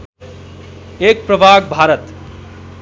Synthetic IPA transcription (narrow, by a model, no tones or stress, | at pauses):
ek̚pɾəbʱaːɡ̚bʱaːɾət̪